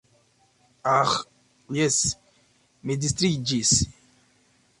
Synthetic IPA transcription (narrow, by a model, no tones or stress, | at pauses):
ax | jɛs | med̪ist̪ɾid͡ʒis